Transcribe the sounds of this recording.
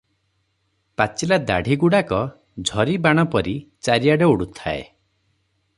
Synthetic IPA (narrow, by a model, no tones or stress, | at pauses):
pat͡ʃilad̪aɽʱiɡuɽakɔ | d͡ʒʱɔɾibaɽ̃ɔpɔɾit͡ʃaɾijaɽeuɽut̪ʰaḛ